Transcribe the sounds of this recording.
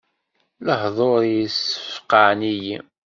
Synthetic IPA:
ləhðˤoɾjisə̥fqaʕniji

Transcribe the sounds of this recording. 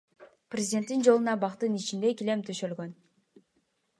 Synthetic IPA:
prʲezʲdʲe̞nt̪ːind͡ʒo̞lˠunɑbɑqt̪ɯnit͡ʃind̪e̞kilemt̪ʰyʃølɡøn

